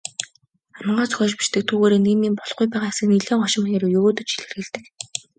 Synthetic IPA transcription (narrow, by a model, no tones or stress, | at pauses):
amə̆ɴɢaːt͡sɵ̥xʲœːt͡ɕpi̥ʃt̪ɘ̆k̚t̪ʰuːɣoːɾeːneːmiːmpɔɮχʊjpæːʁaːsɘ̆kniɮeːŋχɔʃɪ̆mnʲeɾujɵɣoːt̪ɵ̆t͡ɕxi̥ɮɘ̆rɣɘ̆ɮt̪ɘ̆k